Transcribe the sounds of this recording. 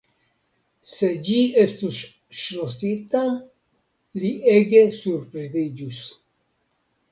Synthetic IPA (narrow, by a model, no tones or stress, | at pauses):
se̞d͡ʒie̞stus | ʃɾosita | lieɡe̞suɾpɾezid͡ʒus